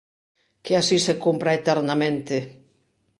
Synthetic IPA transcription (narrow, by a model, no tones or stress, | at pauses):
keasisekompɾaet̪ɛɾnamẽnt̪e